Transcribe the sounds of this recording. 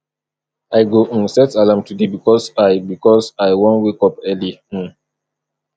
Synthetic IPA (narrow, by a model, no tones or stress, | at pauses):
aɪɡosɛtalãmtudebikɔsaɪbikɔsaɪwɔ̃nwekɔpɛli